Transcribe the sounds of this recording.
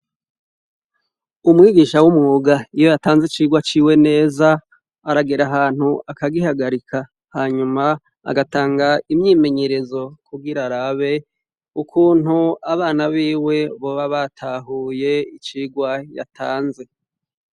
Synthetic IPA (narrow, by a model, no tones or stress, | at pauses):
umŋiːɡiːʃawumŋuːɡaijojataːnzit͡ʃiːɡwat͡ʃiːwe̞ne̞ːzaː | ɾaɡeɾaɦaːn̥huʔakaɡihaɡaɾika | haːɲuma | a̰ɡataːŋɡaimɲiːme̞ɲe̞ɾe̞zo̞kuɡiɾaɾaβe̞ | ukʰuːnhuaβaːnaβiːwe̞βo̞βaβatʰaɦuːje̞it͡ʃiːɡwaja̰tʰaːnze̞